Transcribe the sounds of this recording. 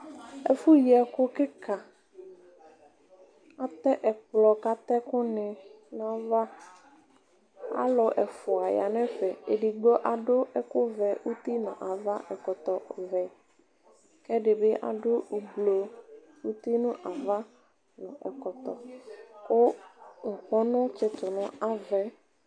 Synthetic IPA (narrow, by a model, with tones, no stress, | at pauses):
ɛ̰˨fu˦ji˨ɛ˨kʊ˦kɪ˦ka˨ | a˨t̪ɛ˦ʔɛ˨k͡plɔ˨ka˦t̪ɛ˦kʊ˦nɪ˨ | nã˦va˦ | a̰˦lʊ˨ʔɛ˨fʊ˨a˨ja˨nɛ̃˦fɛ˨e˨ɖi˨ɡ͡bɔ˦ʔa˨ɖʊ˦ɛ˦kʊ˦vɛ˨ʔu˦t̪i˦nʊ̰̃˨ʔa˨va˦ʔɛ˨kɔ˨t̪ɔ˨vɛ˨ | kɛ˦ɖɪ˨be˦ʔa̰˨ɖʊ˦u˨blo˨ | u˦t̪i˦nʊ̃˦ʔa˨va˦ | nʊ̃˨ʔɛ˨kɔ˨t̪ɔ˨ | o˦ŋ̩˨k͡pɔ˦nʊ̃˦t͡ʃɪ˦t̪ʊ˨nʊ̃˨a˦vɛ˨